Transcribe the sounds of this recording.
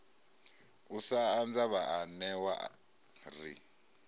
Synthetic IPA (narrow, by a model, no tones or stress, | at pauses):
usaːnd͡zaβaanɛwa | rḭ